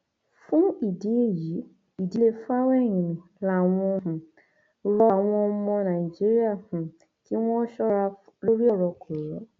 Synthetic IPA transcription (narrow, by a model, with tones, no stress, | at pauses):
fũ˦i˨di˨˦e˦˨ji˨˦ | i˨di˧le˧fa˦wɛ˦˨ɲ̃ĩ˨nĩ˨ | la˦˨w̃ɔ̃˧hũ˨ | ɾɔ˦˨w̃ɔ̃˧˦mɔ̃˧nã˨i˨d͡ʒi˦ɾi˦a˦˨hũ˨ | ti˦w̃ɔ̃˦ʃɔ˦ɾa˧ɾo˦ɾi˦ɔ˦˨ɾɔ˧kʰo˨ɾɔ˨˦